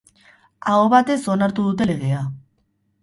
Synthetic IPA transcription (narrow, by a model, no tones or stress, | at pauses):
aoβat̪e̞so̞naɾt̪uðut̪̬e̞le̞ɣ̞e̞a